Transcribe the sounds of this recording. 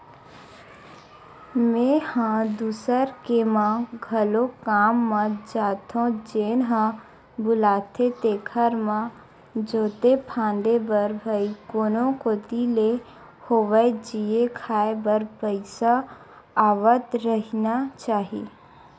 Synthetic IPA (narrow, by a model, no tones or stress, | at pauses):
mẽːhãd̪uːsəɾkemãɡʱəlokaːmːãd͡ʒaːt̪ʰõd͡ʒeːnɦã | bʊlaːt̪ʰet̪ekʰəɾmã | d͡ʒoːt̪epʰãːnd̪ebəɾbʱəikoːnõkot̪ile | hoːʋəed͡ʒiekʰaːebəɾpəɪsa | aːʋət̪ɾəɦinat͡ʃaːɦḭː